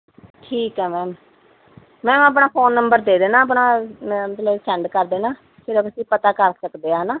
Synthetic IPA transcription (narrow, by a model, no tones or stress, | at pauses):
ʈʰiːkɦɛːmɛ̃ːm | mɛ̃ːəp̬ɳaːpʰoːnːəmbəɾd̪eːd̪eːnaːəp̬ɳãːmət̪ləbsʰɛɳɖkəɾd̪eːnaː | kʰeːɾoːkəsĩːpət̪aːkəɾsəkd̪eːaːnaː